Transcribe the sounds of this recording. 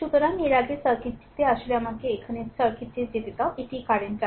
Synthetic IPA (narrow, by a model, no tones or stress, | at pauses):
ʃut̪oɾaŋeɾaɡesɔɾkit̪ːi̥t̪eaʃoleamakeekʰanesɔɾkʰit̪ːed͡ʑet̪et̪awʔeʈikaɾenta